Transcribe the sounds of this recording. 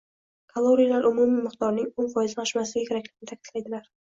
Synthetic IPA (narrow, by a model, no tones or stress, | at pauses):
kʰalˠoɾijalaɾʔʊmumimɪqt̪ɒɾnɪŋonfɒjɪzanʰʃmaslɪɡʲakʰʲeɾakʲlɪkʲɪnɪt̪ʰakʲʰɪ̥t̪lajd̪ɪlaɾ